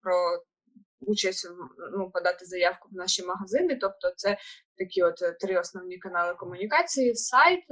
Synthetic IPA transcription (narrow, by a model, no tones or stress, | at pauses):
pɾɔ | ut͡ʃɐsʲtʲnupɔd̪ɑt̪ɪzɐjɑwkʊwnɑʃimɐɦɐzɪnɪt̪ɔp̚t̪ɔt̪sɛt̪ɐkʲiɔt̪tːɾɪɔsnɔwnʲikɐnɑlˠɪkɔmʊnʲikɑt͡sʲijisɑjt̪